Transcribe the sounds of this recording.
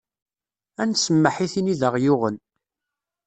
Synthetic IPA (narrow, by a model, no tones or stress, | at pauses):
ænsəmːəħiθiniðəʁjʊʁən